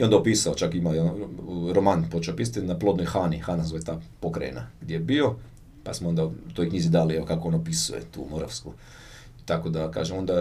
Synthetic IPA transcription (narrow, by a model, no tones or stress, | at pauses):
iond̪aopisaot͡ʃakimaoɾomanpo̞t͡ʃeopis̬at̪inaplˠo̞d̪nojxaːnixanaszojt̪aːpo̞kɾa̰jḛna̰ɡd̪jejebio̞ | pa̰smoo̞nd̪at̪o̞jkɲizid̪alieokakoonopisṵjḛt̪ṵːmoɾa̰ʋsku | t̪ako̞d̪aka̰ːʒemo̞nd̪a